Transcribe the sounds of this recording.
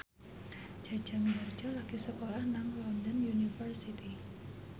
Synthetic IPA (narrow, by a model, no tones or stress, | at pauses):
d͡ʒ̥ḁd͡ʒ̥a̤miɡar̥d͡ʒalaɡ̥isəkolahnaŋlɔndɔnjunifərsit̪i